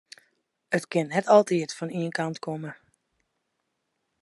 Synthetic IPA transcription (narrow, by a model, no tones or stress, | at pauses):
ətkɪnːɛtɔlˠtiətfɔniənkɑntkʰomə